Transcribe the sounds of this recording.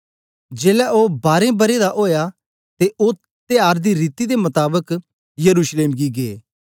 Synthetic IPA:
d͡ʒeːlɛʔoːbaːɾẽbɐɾed̪aʔoːja | t̪eʔo | t̪ejaːɾd̪iɾiːt̪id̪emɐt̪aːbək | jɐɾuːʃleːmɡiɡeː

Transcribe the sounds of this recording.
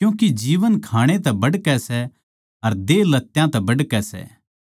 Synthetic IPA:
kjũːkid͡ʒiːʋənkʰaːɽ̃et̪ɛbɐɽkɛsɛ | ɐɾd̪eːlɐt̪ːjãt̪ɛbɐɖkɛsɛ̰

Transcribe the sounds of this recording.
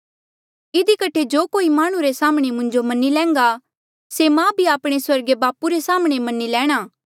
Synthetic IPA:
ɪd̪ikɐʈʰed͡ʒoːkoːimaːɽ̃ũɾesaːmɽ̃emʊ̃ɲd͡ʒomɐnːilɛ̃ːŋɡa | semãbʱiaːpɽ̃eswɐɾɡebaːpuɾesaːmɽ̃emɐnːilɛ̃ːɽ̃aː

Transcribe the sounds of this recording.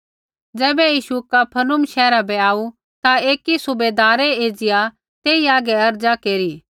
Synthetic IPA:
d͡ʒɛːbɛjiːʃukapʰɐnʊmʃɛːɾabɛaːu | t̪aeːkisʊbeːd̪aːɾɛeːd͡ʒɪja | t̪eːiaːɡɛɐɾd͡ʒakeːɾiː

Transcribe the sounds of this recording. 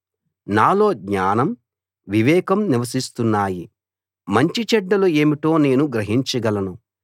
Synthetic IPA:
naːlo̞ːɡɲaːnɐm | ʋiʋɛːkɐmniʋɐs̬ist̪unːaːji | mɐɲt͡ʃit͡ʃɛɖːɐlue̞ːmiʈo̞ːne̞ːnuɡɾɐɦiɲt͡ʃɐɡɐlɐnu

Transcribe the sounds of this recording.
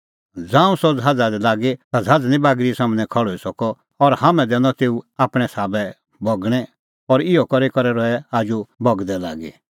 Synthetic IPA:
d͡zãːũsɔd͡zʱad͡zad̪ɛlaːɡet̪ad͡zʱad͡znĩbaːɡɾisaːmnɛ̃kʰɔɭɔisɔkɔː | ɾhamɛ̃d̪ɛ̃nɔt̪eːuaːpɽ̃ɛsaːbɛ | bɔɡɽ̃ɛ | ɔɾɪjɔkɔɾekɔɾɛɾɔɛaːd͡ʒubɔɡd̪ɛlaːɡḛ

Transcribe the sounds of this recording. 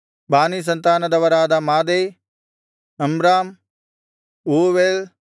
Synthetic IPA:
baːniːs̬ɐnt̪aːnɐd̪ɐʋɐɾaːd̪aːmaːd̪eː | ɐmɾaːm | uːʋeːl

